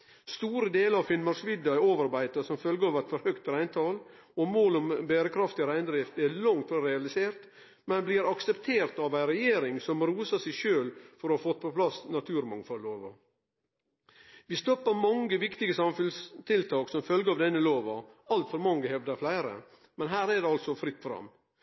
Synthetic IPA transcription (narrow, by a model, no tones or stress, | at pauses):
st̪uːɾəd̪eːləɾɑʋfɪlmɑɾsʋɪd̪ɑæoːʋɑɾbæɪt̪əsɔmfœlɡəɑːʋæɪt̪fɔɾhœkt̪ɾæɪnt̪ʰɑːl | ɔmoːlɔmbæːɾəkʰɾɑft̪ɪɾæɪnd̪ɾɪft̪ɛlɑŋt̪fɾɑɾɛɑlɪseːɾt̪ | mɛnbliːɾɑksɛpt̪ʰeːɾt̪ɑʋæɪɾɛjeːɾɪŋsɔmɾuːsɑsɛɪʃøːlfɔɾɔhɑːfɔt̪ːpʰɔpʰlɑsnɑt̪ʰʉːɾmɑŋfɔlːoːʋɑ̰ | ʋɪst̪ɔpːəɾmɑŋɡəʋɪkt̪ɪɡəsɑmfʉnst̪ʰɪlt̪ʰɑːksɔmfœlɡəɾɑʋd̪ɛnːəloːʋɑɑlt̪fɔɾmɑŋːəhɛʋd̪əflæɪɾə̰ | mɛnɦæːɾɛd̪ɛɑlt̪sɔfɾɪt̪ːfɔɾɑ̰m